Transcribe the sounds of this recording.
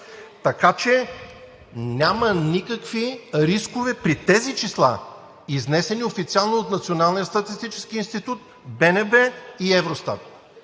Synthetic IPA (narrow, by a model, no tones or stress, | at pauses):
t̪ɐkat͡ʃɛ | nʲamɐnikəkviɾiskovɛpɾit̪ɛzit͡ʃislˠa̰ | iznɛsɛniofit̪sialˠnoot̪nɐt̪sionalˠnijəst̪ɐt̪ist̪it͡ʃɛ̥sk̟iiːnst̪it̪ut̪̚ | bɛnɛbɛiɛvɾost̪a̰t̪̚